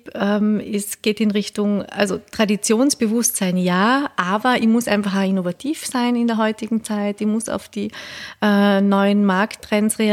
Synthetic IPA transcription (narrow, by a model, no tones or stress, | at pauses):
ɛmɪsɡ̥eːtɪnʁɪçtʊŋa̰lzotʁ̥adit͡sjoːnsb̥əvʊstsaɪnjaːʔaːbɐimʊsʔã̰ɪnfaχaːinovatʰiːfsaɪnɪndeːɐɦɔʏtɪɡŋ̩t͡saɪtimʊsa̰ʊfd̥iːʔɛːnɔʏənmaɐktːʁ̥ɛnsʁea